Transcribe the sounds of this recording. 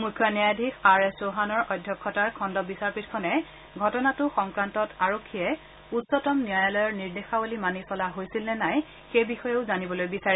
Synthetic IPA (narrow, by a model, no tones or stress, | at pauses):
mukʰːɔniajadʱikʰaɹesoɦanɔɹʔɔjdʱjɔkʰːɔtaɹkʰɔndɔbisaɹpitkʰɔnɛ | ɡʱɔtɔnatʊxɔŋkɹantɔtaɹokʰːijɛ | utsɔtɔmnijajalɔjɔɹniɹdexawalimanisɔlaɦojsilnɛnaj | xejbixɔjɛʊzanibɔlojbisaɹɛ